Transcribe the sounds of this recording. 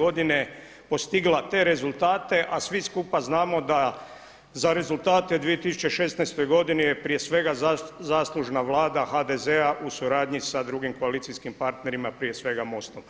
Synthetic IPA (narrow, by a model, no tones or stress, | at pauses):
o̞d̪ine | po̞st̪iɡlat̪e̞ɾe̞zulˠt̪aːt̪e̞ʔasʋiskupaznaːmo̞d̪a | zaɾe̞zult̪aːt̪ed̪ʋije̞t̪isu̥t͡ʃeʃe̞snaɛst̪o̞jɡo̞d̪inijepɾije̞sʋe̞ɡazaːslˠuʒnaʋlˠaːd̪axad̪ezeaʔusuɾaːd̪ɲisad̪ɾuɡimkoalit̪sijskimpaɾt̪ne̞ɾimapɾije̞sʋe̞ɡamo̞st̪om